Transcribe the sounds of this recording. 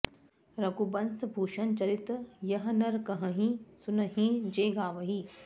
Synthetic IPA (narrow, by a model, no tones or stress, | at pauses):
ɾɐɡubɐnsbʱuːʃɐnt͡ʃɐɾit̪jɐɦnɐɾkɐɦɐ̃ɦĩsunɐɦĩd͡ʒeːɡaːʋɐɦi